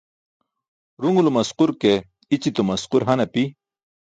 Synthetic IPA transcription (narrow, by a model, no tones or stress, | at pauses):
ɾuŋulomɐsquɾke | it͡ɕit̪omɐsquɾɦɐnɐpi